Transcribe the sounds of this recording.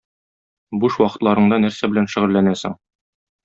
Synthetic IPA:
buʃwɒqɤ̥̆t̪lˠɑɾɤ̆ɴd̪ɑnæɾsæbɘ̆lænʃɘ̆ʁɘ̆lːænæsɘ̰ŋ

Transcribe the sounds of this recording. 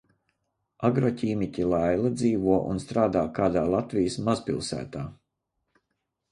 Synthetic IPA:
aɡɾɔcʲiːmitʲilˠajlˠad̪ziːvuɔʔṵnst̪ɾaːd̪aːkaːd̪aːlˠat̪vijəsmazpilˠsæ̰ːt̪aː

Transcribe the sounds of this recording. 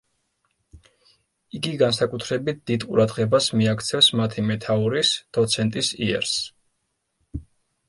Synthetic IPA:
iɡiɡansakʼut̪ʰɾɛbit̪̚ʰd̪̥id̪qʼṵɾad̪ʁɛbasmiakʰt̪sʰɛfsmat̪ʰimɛt̪ʰauɾisd̪̥ɔt̪sʰɛnt̪ʼisḭɛ̰ɾs

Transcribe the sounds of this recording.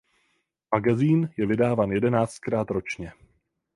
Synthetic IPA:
maɡaziːnjɛvɪdaːvaːnjɛdɛnaːt͡st̪̚kɾaːt̪ɾo̞t͡ʃɲɛ

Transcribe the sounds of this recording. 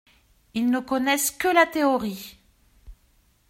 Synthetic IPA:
ilnəkɔnɛskəlat̪eɔʁi

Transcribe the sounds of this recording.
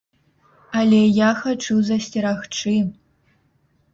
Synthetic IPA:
alʲejaxɐʈ͡ʂʰɨwzɐstʰʲiɾaxʈ͡ʂʰɨ

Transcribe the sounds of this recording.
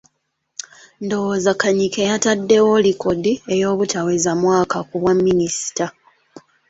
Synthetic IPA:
ndo̞wozakaɲikejatadːe̞wolikodiejo̞ːβutawezamwaːkakuβwamːinisi̥ta

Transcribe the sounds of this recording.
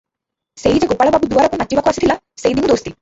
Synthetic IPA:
sejd͡ʒeɡopːaːɭɐbaːbud̪uʋaːɾakunɐt͡ʃːiʋaːkuʋasit̪ʰila | sejd̪iŋmud̪oːst̪i

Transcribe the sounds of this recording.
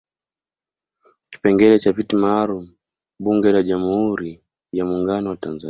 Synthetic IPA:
ki̥pɛŋɡɛlɛt͡ʃavitimaːlumu | ɓuŋɡɛlaʄamuhuɾi | jamuŋɡanɔwatanza

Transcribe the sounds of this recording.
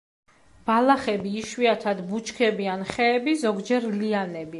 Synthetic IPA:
b̥alaχɛbiːʃwiat̪ʰad̪but͡ʃʰkʰɛbianχɛːbizɔɡd͡ʒɛɾlianɛbi

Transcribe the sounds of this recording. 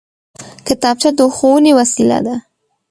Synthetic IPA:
kɪt̪ɑb̚t͡ʃad̪əuxowənewasila̰d̪a

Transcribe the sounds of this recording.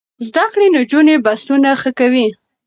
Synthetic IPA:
zd̪akɽinod͡ʒunebasunaxəkawi

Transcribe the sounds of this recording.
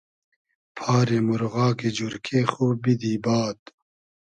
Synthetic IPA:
pʰɑːɾemuɾɣɑːked͡ʑuɾkʰexoːbid̪iːbɑːt̪

